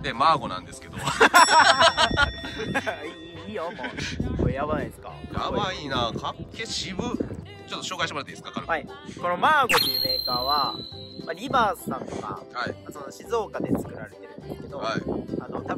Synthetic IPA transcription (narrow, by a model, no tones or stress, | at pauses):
d̪emaːɡo̞nã̰nd̪e̞sɨ̥ke̞d̪o | i | iːjomooejaβanaid̪esɨ̥ka̰ja̰bainaːkʰakkʰːe̞ɕibɯ̟ | t͡ɕot̪ːo̞ɕoːkaiɕimaɾat̪ad̪esɨ̥kakaɾɯaiko̞no̞maːɡo̞ɲiɯme̞ːkaːβamaɾʲibaːsãŋɡa̰haimasono̞ɕizo̞ːkad̪e̞t͡sɨ̥kɯ̟ɾaɾe̞t̪e̞ɾɯ̟nd̪e̞skeed̪oaianot̪ab